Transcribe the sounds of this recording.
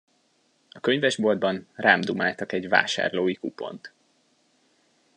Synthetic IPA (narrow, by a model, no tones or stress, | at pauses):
ɒkø̞ɲvɛʒbo̞ld̪bɒnraːmd̪umaːlt̪ɒkɛɟva̰ːʃa̰ːrloːikupo̞̰nt̪